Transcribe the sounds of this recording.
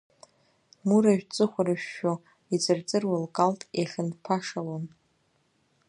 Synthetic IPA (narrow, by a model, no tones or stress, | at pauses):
muɾaʒᶣt͡sʼɨχʷaɾɨʃᶣːo | id͡zʼɨrt͡sʼɨrwalkʼaltʼeχʲɪnpʰaʂalon